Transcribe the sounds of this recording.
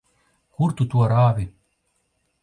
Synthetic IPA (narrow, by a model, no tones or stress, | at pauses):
kuɾt̪ut̪uaɾaːvi